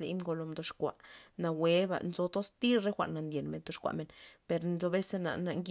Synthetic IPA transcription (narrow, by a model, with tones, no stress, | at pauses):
lḭ˧˦mɡo˧lo˧md̪o˧ʂkʷa̰˨ʔna˧we˦ba̰˧ʔnzo˧t̪o˦st̪i˦ɾɾe˦xʷa̰˨ʔnːa˨nd̪je˨nme˨nt̪o˧ʃkʷa̰˨ʔme˨npe˨˧ɾnzo˧be˦se˧na̰˨na˧ŋɡ